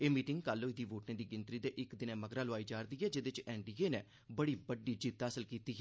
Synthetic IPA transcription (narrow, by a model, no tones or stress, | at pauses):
eːmiːʈɪŋɡkalːoːɪd̪iːʋoːʈneːd̪iːɡɪnt̪ɾiːd̪eːʔɪkd̪ɪnẽːməɡɾãːlʊaːiːd͡ʒaːɾd̪iːɦɛːd͡ʒɪd̪ɪt͡ʃɛːɳɖiːeːnɛ̃ː | bəɽiːbəɖiːd͡ʒiːt̪aːsəlkiːt̪iːɦɛː